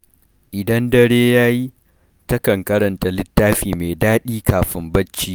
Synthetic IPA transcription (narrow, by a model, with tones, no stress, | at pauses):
ʔɪ˨dɐ˦ndɐ˦ɽeː˦jaː˦ji˦ | tɐ˦kɐ˨ŋkɐ˦ɾɐ˨nta˨lɪ˦tːaː˦ɸiː˨meː˨daː˦ɗiː˦kaː˨ɸɪ˦mbɐ˦t͡ʃːiː˦